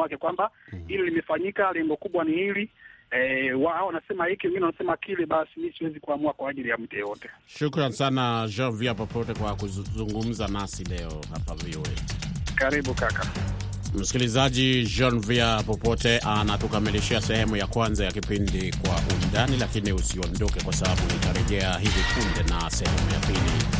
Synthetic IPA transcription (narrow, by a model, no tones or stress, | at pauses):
akɛkwambahilɛlimɛfaɲikalɛŋɡɔkuɓwanihili | waaɔanasɛmahikiwɛŋɡinɛwanasɛmakilɛɓasimisiwɛzikuamuakwaːʄilijam̩tɛjɛjɔtɛʃukɾansanad͡ʒɔnviapɔpɔtɛkwakuzuŋɡum̩zanasilɛɔha̰paviwɛkaɾiɓukaka | m̩si̥kilizaʄid͡ʒɔnviapɔpɔtɛʔanatukamiliʃiasɛhɛmujakwanzajakipindikwaʔundanilakiniusiɔndɔkɛkwasaɓaɓukitaɾɛʄɛaɦivikundɛnasɛhɛmuja̰pilḭ